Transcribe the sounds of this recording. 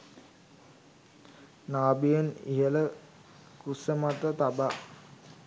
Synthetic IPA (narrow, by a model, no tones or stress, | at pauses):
naːbijənḭɦələ | kusəmat̪ət̪aba